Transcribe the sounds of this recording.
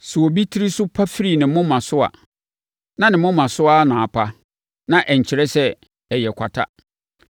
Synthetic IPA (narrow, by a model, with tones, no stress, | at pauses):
sʊ˨o˨bi˦tʰi˦ɾi˦sʊ˦pʰa˦fi˦ɾi˨nɪ̃˨˦mʊ̃˦mã˨sʊ˦a̰˨ | nã˦nɪ̃˨mʊ̃˦mã˨sʊ˦a˦nʊ̃˨a˨pʰa˦ | nã˨ʔɛ˨ɲ̩˨t͡ɕʰɪ˨ɾɛ˦sɛ˦ | ɛ˨jɛ˨kʷʰa˨tʰa̰˦